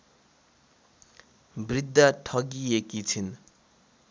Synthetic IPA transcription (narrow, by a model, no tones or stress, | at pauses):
brid̪ʱːaʈʰʌɡiekit͡sʰin